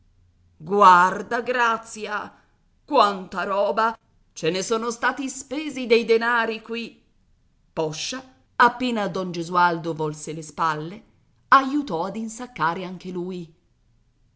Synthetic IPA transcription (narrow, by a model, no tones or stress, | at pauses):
ɡward̪aɡɾat̪sːja | kwant̪aɾɔːba | t͡ʃenesɔːnost̪aːt̪ispeːzid̪ejd̪enaːɾikwi | pɔʃːa | apːeːnad̪ɔnd͡ʒezuald̪ovɔlselespalːe | ajut̪ɔad̪insakːaːɾeaŋk̟eluːj